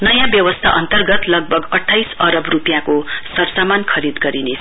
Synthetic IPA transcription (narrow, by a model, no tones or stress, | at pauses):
nʌjãbjʌwʌst̪ʰaʔʌ̰nt̪ʌrɡʌt̪lʌɡ̚bʱʌɡʌʈʰːajsʌɾʌbrupjãkosʌrsamankʰʌɾid̪ɡʌɾinesʰ